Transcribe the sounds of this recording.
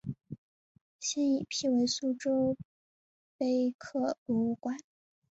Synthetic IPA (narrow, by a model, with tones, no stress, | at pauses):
ɕjɛ˥ni˨˩pʰi˥˩we˧˥ɪsu˥ʈ͡ʂo˥ʊ | pe˥ɪkʰɤ˥˩pu˧˥u˥˩kwa˥n